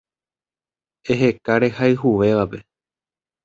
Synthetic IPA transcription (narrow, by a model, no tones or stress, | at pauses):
e̞ɦe̞kaɾe̞haiɦuʋe̞ʋape̞